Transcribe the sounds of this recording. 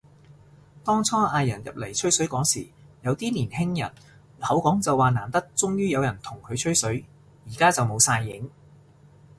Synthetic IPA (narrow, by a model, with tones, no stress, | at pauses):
t̪ɔː˥ŋt͡sʰɔː˥ʔaː˧jɐ˨˩njɐ̰˨p̚le˨˩jt͡ʃʰɵ˥ɥsɵ˨˥ɥkɔː˨˥ŋsḭː˨˩jɐ˨˧wt̪iː˥niː˨˩nhɪ˥ŋjɐ̰˨˩n | hɐ˨˥wkɔː˨˥ŋt͡sɐ˨wːaː˨naː˨˩nt̪ɐ˥k̚t͡sʊ˥ŋjyː˥jɐ˨˧wjɐ˨˩nt̪ʰʊ˨˩ŋkʰɵ˨˧ɥt͡ʃʰɵ˥ɥsɵ˨˥ɥ | jiː˨˩kaː˥t͡sɐ˨wmo˨˧wsaː˧jːɪ˨˥ŋ